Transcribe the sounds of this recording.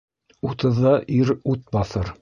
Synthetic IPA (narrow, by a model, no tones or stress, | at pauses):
ut̪ɤ̆ðːɑʔiɾut̪̚bɑθɤɾ